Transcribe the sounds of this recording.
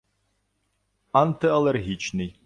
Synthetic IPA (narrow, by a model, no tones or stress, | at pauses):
ant̪ɨɐlˠɛrɦʲit͡ʃnɨj